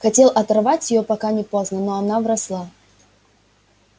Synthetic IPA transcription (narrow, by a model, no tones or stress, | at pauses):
xɐtʲelˠʔɐt̪ɐrvatʲjɪjopɐkanʲɪpoznənoɐnavɾɐslˠa